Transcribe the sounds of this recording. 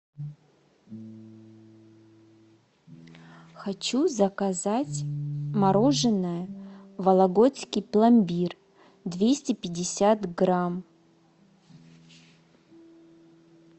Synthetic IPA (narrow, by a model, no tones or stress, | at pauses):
xɐt͡ɕuzɐkazat͡sʲmɐɾo̞ʐɨnːəjəvɐlˠɐɡot͡sʲkʲɪjplˠɐmʲbʲir | d̪vʲesʲtʲɪpʲɪdʲɪsʲat̪ɡram